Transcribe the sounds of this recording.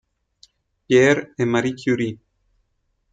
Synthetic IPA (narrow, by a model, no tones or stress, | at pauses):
pjeɾemaɾikʰjuɾi